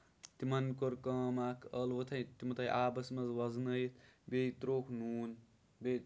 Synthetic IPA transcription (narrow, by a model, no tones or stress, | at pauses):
t̪imɐnkoɾkɐːmaːkʰɐlʋɐt̪ʰɐjt̪imɐt̪ʰɐjʔaːbɐsmɐzwɐznɐjt̪bet̪ɾoːkʰnuːn | be